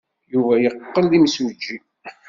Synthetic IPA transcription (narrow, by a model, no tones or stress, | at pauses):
juvæjəqːəlðimswd͡ʒːi